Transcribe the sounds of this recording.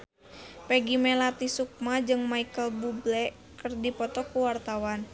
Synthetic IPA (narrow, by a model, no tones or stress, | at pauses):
pɛɡimɛlat̪isuk̚mad͡ʒɨŋmaikəlbublɛ | kərdipɔt̪ɔkuwart̪awan